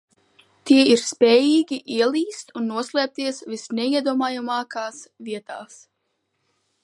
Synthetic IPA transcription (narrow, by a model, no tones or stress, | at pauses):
t̪iɛiɾspʲɛːjiːɡʲiʔiɛlˠiːst̪unːuɔslʲˠɛːp̚t̪iɛsvisnɛiɛd̪uɔmaːjamaːkaːsviɛt̪aːs